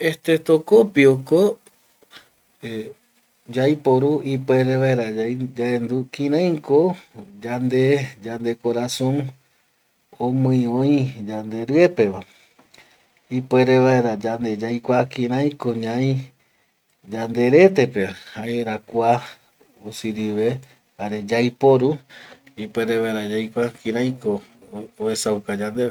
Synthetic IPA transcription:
et̪et̪okopioko | e | d͡ʒajpoɾuipwe̞ɾeʋaeɾad͡ʒaend̪ukĩɾãj̃kod͡ʒand̪ed͡ʒand̪e̞koɾasõ̞n | õmɨ̃jõj̃d͡ʒand̪e̞ɾɨepe̞ʋa | ipeɾeʋaeɾad͡ʒand̪ed͡ʒajkʷakĩɾãj̃koɲãj̃ | d͡ʒand̪e̞ɾe̞t̪e̞pe̞haeɾakʷa | usiɾiʋe̞ | aɾe̞d͡ʒajpoɾuipwe̞ɾeβaeɾad͡ʒajkʷakĩɾãj̃kooesaukad͡ʒand̪e

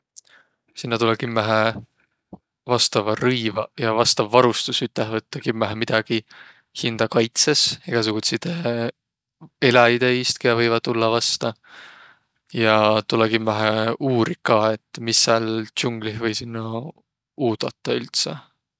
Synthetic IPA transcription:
sinːɑt̪ulekimːæɦæ | vɑst̪ɑvɑɾɯjvɑjɑvɑst̪ɑvːɑɾust̪usyt̪ːˑeɦvɤt̪ˑːɑkimːæɦæmid̪̥ɑɡ̥i | hind̪̥ɑkɑjt̪seseɡ̥ɑs̬uɡ̥ut̪sit̪e | e̞lɑid̪̥e̞ist̪̚kiɑvɤjvɑd̪̥̚t̪ːulːɑvɑst̪ɑ | jɑt̪uleɡimvæɦæuːɾikɑːe̞t̪ːˑmisːælt͡ɕuŋɡ̥lihvɤjsinːɑ | uːd̪̥ɑt̪ːˑɑylt̪se

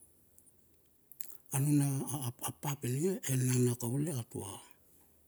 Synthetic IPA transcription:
anunaapːapeliŋaʔennanakauleatṵa

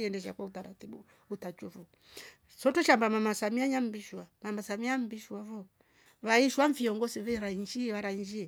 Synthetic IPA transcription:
ɛndɛʃ̬a̰kwautaɾatibu | utat͡ʃuvu | sɔtɔʃambamamasamiaɲam̩biʃwamamasamiam̩biʃwavɔ | βaiʃwaɱfiɔŋɡɔsivɛɾaiɲd͡ʒiβaɾaiɲd͡ʒiɛ

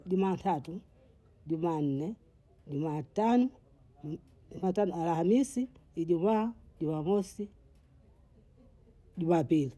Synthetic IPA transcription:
ɟumatatu | ɟuman̩nɛ | ɟumatanɔ | umatanɔalahamisiiɟumaɟumamɔsi | ɟumapili

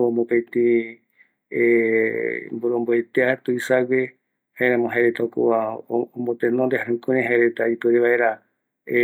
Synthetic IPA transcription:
omõpet̪ĩ | e | mboɾõmboet̪eat̪uisawe | haeɾãmõɦaɾet̪aokṵaõmbot̪ẽnõnd̪eaɾɨ̃kũɾẽɦaeɾet̪aip̪ɨɾeβaʔeɾa

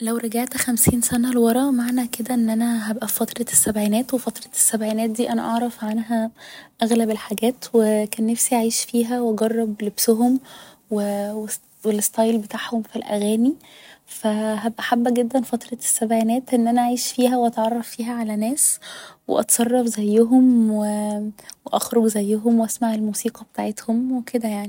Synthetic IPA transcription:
læwɾˤɑɡæʕt̪xæmsiːnsænælwɑɾˤɑʔmaʕnæked̪æʔenːʔænæɦæbʔæfɑt̪ɾˤɑsːæbʕiːnæːt̪wefɑt̪ɾˤɑsːæbʕiːnæːt̪̚d̪iːʔænæʔɑʕɾˤɑfʕanɦæʔæɣlæbelħaɡæːt̪wekæːnːæfsiaʕiːʃfiːɦæwʔɑɡɑrˤːɑblebsoɦom | wewe | welest̪ˤɑjlbet̪aːʕhomfilʔæ̰ɣæːnifæɦæbʔaħabːæɡed̪ːænfɑt̪ɾˤɑsːæbʕænæːt̪ʔenːʔænæʔaʕiːʃfiːɦæwʔɑt̪ʕɑrˤːɑfːiːɦæʕalænæːswḛʔɑ̰t̪sˤɑrˤːɑfzæjːʊɦomweweʔæxɾˤoɡzæjːoɦomweʔæsmaʕelmuːsiːqɑbet̪aːʕet̪homweked̪æjaʕni

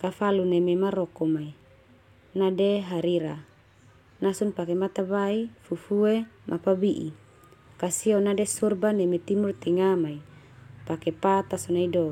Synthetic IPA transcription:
kafalunememaɾɔkɔmai | nadeɦaɾiɾa | nasunpakemat̪aβaifufuemʔapabiʔḭ | kasionadesurbanemet̪imurt̪iŋamai | pakepat̪asɔnaido

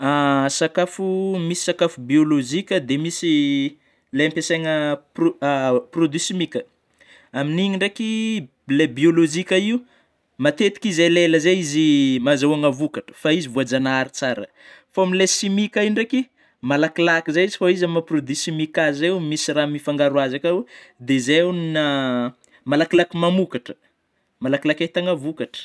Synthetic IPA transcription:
asakafumisi̥sakafubioloʒikʲəd̪emisi | lempeseŋəp | prod̪isimikʲə | aminiɲiɳɖ͡ʐeki | lebiolozikʲəiu | mat̪et̪i̥kizeleləzeizimazawaŋavukaʈ͡ʂə̥faizivuad͡ʒanaɾit͡saɾə̰ | faamilesimikaiɳɖ͡ʐeki | malakilakizaizifaizaməprod̪ysimikazeumisiɾamifaŋɡaɾuazakad̪ezeunina | malakilakimamukaʈ͡ʂə̥ | malakilakat̪aŋəvukaʈ͡ʂə̥

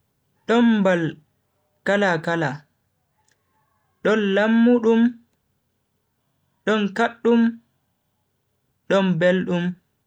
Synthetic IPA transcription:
ɗɔnbal | kalakala | ɗɔnlamːuɗum | ɗɔnkaɗːum | ɗɔnbelɗum

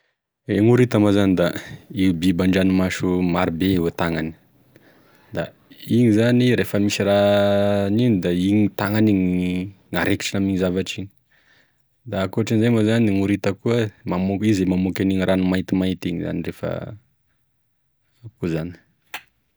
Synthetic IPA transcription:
eŋuɾit̪amazanid̪aibibaɳɖ͡ʐanimaʃumaɾibewet̪aŋani̥ | d̪a̰ | iɲizaniɾefəmisira | ninid̪aiɲit̪aŋaniɲ | ŋaɾeki̥ʈ͡ʂinamiɲizavaʈ͡ʂiɲi̥ | d̪aːkuaʈ͡ʂanzemazaniŋuɾit̪əkuəmamokizemamokʲaniŋiranumait̪imait̪iŋiza̰nirefə̰ | akuzani̥

